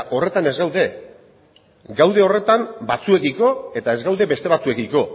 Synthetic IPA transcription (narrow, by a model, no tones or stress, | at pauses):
ʔo̞re̞t̪ane̞zɡawðe̞ | ɡawðe̞o̞re̞t̪ambat͡sue̞kiko̞e̞t̪ae̞zɡawðe̞be̞st̪e̞βat͡sue̞kiko̞